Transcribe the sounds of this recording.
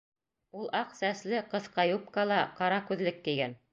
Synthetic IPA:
ulˠʔɑqsæslɘqɤ̆θqɑjup̚kɑlˠɑqɑɾɑkʉðlɘkːɘ̆jɡæn

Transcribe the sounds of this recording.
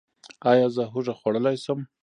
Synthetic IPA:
ɑjɑzəɦʊʐaxwaɽəlajsəm

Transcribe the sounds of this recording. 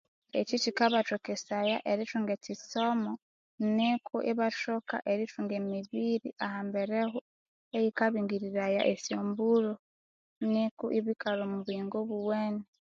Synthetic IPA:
ḛcitikaβatokesajaʔeɾituŋɡecisomo | nekʰuʔiβatoka̰ʔeɾituːŋɡemiβiɾiʔahambe̞ɾehu | ejikaβiːŋɡiɾiɾaja̰ʔesjoːmbuɾo | nikuʔiβikalomuβwiːŋɡoβuweːne

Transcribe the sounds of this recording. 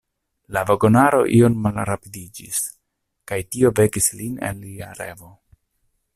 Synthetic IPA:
laveɡo̞naɾo̞̰ʔio̞nmalɾapidid͡ʒis | kajtio̞ve̞kisline̞̰nliaɾe̞̰vo̞

